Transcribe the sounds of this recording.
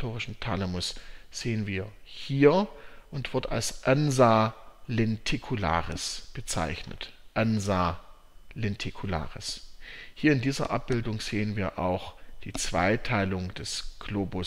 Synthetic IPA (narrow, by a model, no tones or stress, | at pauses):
tʰoːʁɪʃn̩tʰalɛmʊsz̥eːənviːɐ | hiːɐʔʊntv̥ɪɐta̰lsʔanzaːlɛntʰekʰula̰ːʁəsb̥ət͡sa̰ɪçnə̰tʔanzaː | lɛntʰikʰula̰ːʁəshiːɐɪndiːzɐ̰ʔa̰p̚b̥ɪldʊŋz̥eːənviːɐʔa̰ʊxd̥iːt͡sv̥a̰ɪtʰaɪlʊŋd̥ɛsɡ̥loːbʊ